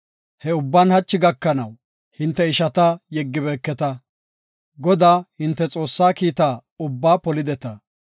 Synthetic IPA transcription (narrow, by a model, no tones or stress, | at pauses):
hɛʊbːanhɐt͡ʃːɪɡɐkːɐnɐw | hɪnt̪ːɛɪʃɐt̪ɐjɛɡːɪbeːkːɛt̪ɐ | ɡɔd̪aːhɪnt̪ːɛt͡sʼo̞ːsːaːkiːt̪aːʊbːaːpɔlɪd̪ɛt̪ɐ